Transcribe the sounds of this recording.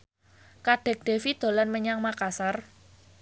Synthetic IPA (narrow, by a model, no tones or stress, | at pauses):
kaɖ̥ɛ̤k̚ɖ̪̥e̤fid̪̥o̤lanməɲaŋmakasar